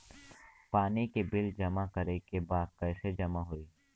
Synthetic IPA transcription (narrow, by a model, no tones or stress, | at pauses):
paːnikebɪld͡ʒɐmakɐɾekebaːd̪̚kɛːsed͡ʒɐmaɦoiː